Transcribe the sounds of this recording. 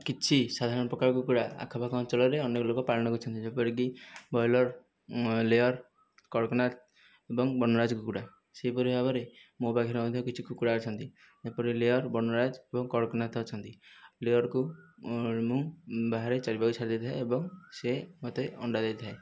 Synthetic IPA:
kit͡ʃʰisad̪ʱaɾɔnɔpɾɔkaɾkukuɽaa̰kʰɔbʱakɔnt͡ʃɔlɔɾeɔnekɔlokɔpaɭɔñɔkut͡ʃʰɔnt̪id͡ʒepɔɾik̬ibɔjlɔɾ | leɔɾ | kɔɽkɔnat̪ | ebɔŋbɔnɔɾad͡ʒɔkukuɽa | seɦipɔɾibabɔɾemobaɡʱeɾemɔd̪ʱjɔkit͡ʃʰikukuɽat͡ʃʰɔnt̪i | epɔɾeleɔɾbɔnɔɾad͡ʒebɔŋkɔɽɔkɔnat̪ʰɔt͡ʃʰɔnt̪ilejɔɾku | mũbaɦaɾet͡ʃaɽibakusaɾd̪et̪ʰaeebɔŋsemɔt̪eɔɳɖad̪et̪ʰae

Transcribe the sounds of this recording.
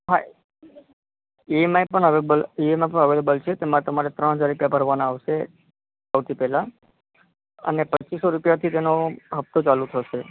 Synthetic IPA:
ɦa | imaepəɳəʋebəliemapəɳəʋelebəlt͡ʃʰet̪emãt̪əmaɾet̪ɾəɳ̃ɦəd͡ʒaɾːupjabəɾʋanaːʋʃe | aʋt̪ʰipɛɦlã | ə̰nepət͡ʃisoɾupjat̪ʰit̪enoɦəp̚t̪ot͡ʃalũt̪ʰəʃe

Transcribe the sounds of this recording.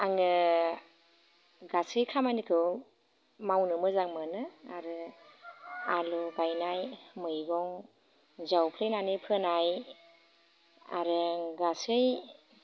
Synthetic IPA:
aŋɯ | ɡasɯjkʰamanikʰɯw | mawnɯmɯzaŋmɯnɯaɾɯ | alubajnajmɯjɡɔŋ | zawpʰlejnanipʰɯnaj | a̰ɾɯɡasɯj

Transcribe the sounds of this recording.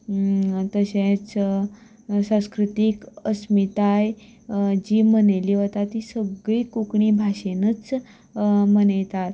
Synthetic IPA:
t̪əɕẽt͡s | sãw̃skɾut̪ikəsmit̪aj | d͡ʑiːməneliːɦot̪at̪ːisəɡɭiːkukɳiːbʱaɕenət͡s | mənejt̪at̪

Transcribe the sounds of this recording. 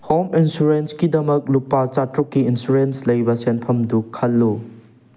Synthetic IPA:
hominsuɾenskidɐmɐk̚lupːat͡ʃatɾukːiinsuɾenslɐjbɐsenpʰɐmdukʰɐlːu

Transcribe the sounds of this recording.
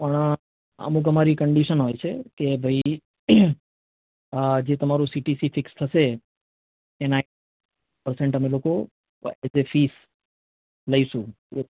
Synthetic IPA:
pəɳ̃ | ə̰mũk̬əmaɾikəɳɖiʃənɦojt͡ʃʰekebʱəi | d͡ʒet̪əmaɾũsiʈisifɪkst̪ʰəʃe | ena | pəɾsẽɳʈəmeloko | esefis | ləiʃũ | e

